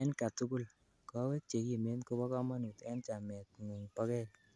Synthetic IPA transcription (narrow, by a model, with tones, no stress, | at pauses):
ɛ˦nka˨tu˦ku˦l | kɔ˦we˦t͡ʃe˨ɡi˨me˦nko˦bɔ˦kɔ˦ma˦nu˨t̪ɛ˦nt͡ʃa˨mɛ˨t̪̚ŋu˨ŋpa˦kɛ˦